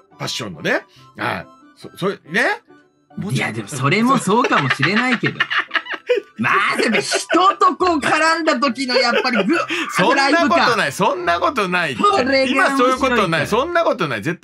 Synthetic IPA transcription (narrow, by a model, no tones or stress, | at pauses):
paɕːõ̞̰nːo̰ne | ha̰ḭ | soːsone | ja̰d̪e̞moso̞ɾe̞mo̞so̞ːkamo̞ɕiɾe̞naike̞d̪o̰ | ma̰d̪emoçi̥t̪ot̪oko̞ːkʰaɾãnd̪at̪̬ok̬ʲinojapːaɾʲiɡsõnɾaaɯkokat̪onaisõ̞nːako̞t̪onaiɾeimasoːjɯkot̪onaisõ̞nːakot̪o̞naizet̪ː